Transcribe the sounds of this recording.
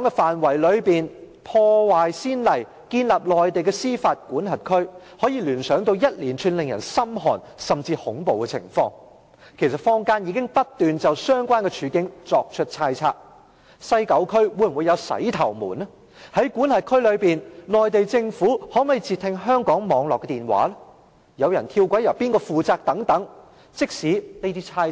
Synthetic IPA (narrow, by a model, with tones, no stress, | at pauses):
kɔː˨˥ŋkɛ˧faː˨˩nwɐ˨˩jlɵ˨˧ɥpiː˨n | pʰɔː˧waː˨jsiː˥nlɐ˨˩j | kiː˧nla˨p̚lɔː˨jt̪e˨jkɛ˧siː˥faː˧t̚kuː˨˥nɦɐ˨t̚kʰɵ˥ɥ | hɔː˨˥jiː˨˧lyː˨˩nsœː˨˥ŋt̪o˧wjɐ˥t̚liː˨˩nt͡ʃʰyː˨˧nlɪ˨ŋjɐ̰˨˩nsɐ˥mɦɔ̰ː˨˩n | sɐ˨mt͡siː˧hʊ˨˥ŋpo˨wkɛ˧t͡sʰɪ̰˨˩ŋfɔ̰ː˧ŋ | kʰe˨˩jsɐ˨˩t̚fɔː˥ŋkaː˥njiː˨˧kɪ˥ŋpɐ˥t̚t̪ːyː˨nt͡sɐ˨wsœː˥ŋkʷaː˥nkɛ˧t͡ʃʰyː˨˥kɪ˨˥ŋt͡sɔː˧k̚t͡ʃʰɵ˥t̚t͡sʰaː˧˥jt͡sʰaː˧˥k̚ | sɐ˥jkɐ˨˥wkʰɵ˥ɥwuː˨˧jm˨u˨˧jɐ˨˧wsɐ̰˨˥jt̪ʰɐ˨˩wmuː˨˩nɐ˥ | hɐ˨˥jkuː˨˥nhɐ˨˩kʰɵ˥ɥlɵ˨˧ɥpiː˨nnɔː˨˩jt̪e˨jt͡sɪ˧ŋfuː˨˥hɔː˨˥mɐ˨jt͡siː˨˧t̪ʰːɪ˧ŋɦœː˥ŋkɔː˨˥ŋmɔː˨˧ŋlɔː˨kːɛ˧t̪iː˨nwa̰ː˨˥lɛ˥ | jɐ˨˧wjɐ˨˩nt̪ʰiː˧wkʷɐ˨˥jɐ˨˩wpiː˥nkɔː˧fuː˨t͡saː˧k̚t̪ɐ˨˥ŋt̪ɐ˨˥ŋ | t͡sɪ˥k̚siː˨˥ne˥t̪iː˥t͡sʰaː˧˥